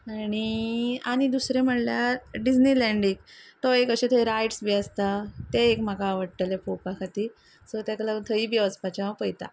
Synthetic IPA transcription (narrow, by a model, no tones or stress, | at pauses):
añiaɽ̃id̪usɾẽm̤əɽljaɾɖid͡znilɛɳɖiŋkt̪ɔekəɕet̪ʰəiɾajʈsbiast̪at̪eekm̤akaːʋəɽʈ̪alepopakʰat̪i | sɔt̪jaklat̪ʰəiːbiaspat͡ɕaʋapəjt̪a̰